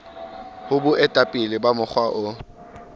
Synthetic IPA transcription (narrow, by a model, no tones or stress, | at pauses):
hʊbʊɛtʼapʼɪlɪbamʊχʰwaʔʊ